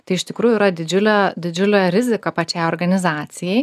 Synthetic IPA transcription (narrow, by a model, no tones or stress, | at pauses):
t̪ɐɪɪʃʲt̪ʲɪkɾuːjʊiːɾɐd̪ʲɪd͡ʒʲʊlʲod̪ʲɪd͡ʒʲʊlʲoːɾʲɪzʲɪkopɐt͡ʃʲɛjoːrɡɐnʲɪzɑːt̪sʲɪjɛɪ